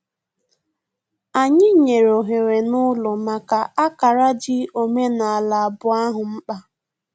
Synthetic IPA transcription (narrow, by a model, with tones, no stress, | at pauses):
a˨ɲɪ˦ɲe˨ɾo˨ɦe˨ɾe˨nʊ˦lʊ˨ma˨ka˨a˦ka˨ɾa˦d͡ʒɪ˦o˨me˦na˨a˨la˨a˨bʊ˨a˦ɦʊ˨m̩˦k͡pa˦